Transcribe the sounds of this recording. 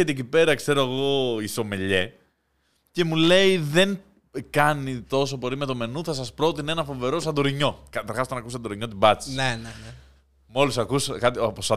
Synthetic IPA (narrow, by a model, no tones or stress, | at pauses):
et̪ecipe̞ɾɐkse̞ɾoɐɣo̞iso̞me̞ʎe̞ | ce̞mule̞iðe̞ŋ | kɐnit̪o̞s̬o̞po̞ɾime̞t̪o̞me̞nuθɐs̬ɐspɾo̞t̪ine̞nɐfo̞ve̞ɾo̞s̬ɐnd̪oɾiɲo̞kɐt̪ɐɾxɐs̬ot̪ɐnɐkus̬ɐnd̪oɾiɲo̞t̪ibɐt͡si̥senen | mo̞lisɐkuskɐt̪iposɐ